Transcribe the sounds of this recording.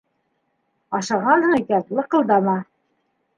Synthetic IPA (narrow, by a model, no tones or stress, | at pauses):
ɑʃɑʁɑnhɤɴikænlˠɤ̆qɤ̆lˠd̪ɑmɑ